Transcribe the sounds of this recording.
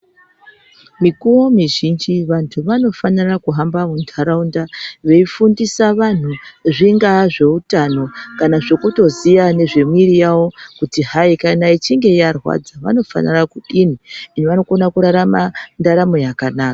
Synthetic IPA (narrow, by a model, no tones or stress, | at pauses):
mikuwo̞miʒind͡ʒiʋantʰuʋano̞fanirakuɦambamundʰʱaɾaundaʋe̞ifundisaʋan̤uʐiŋɡaʐe̞utano̞kanaʐekuto̞zijane̞ʐe̞mwiɾijawo̞kutiɦaikanait͡ʃiŋɡe̞jarwa̰d͡zaʋa̰no̞fa̰nḭrakuɗin̤iiniʋano̞ko̞nakuɾaɾamandaɾamo̞jakanaːka